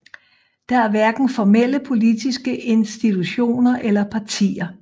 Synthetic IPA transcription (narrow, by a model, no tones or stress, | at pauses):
d̥ɑ̈æɐʋæɐɡ̥n̩fɒmel̰əpʰo̝lid̥isɡ̥əʔe̝nsd̥it͡sʰuɕo̝̰ːnɐʔelɐpʰɑ̈t͡sʰḭːɐ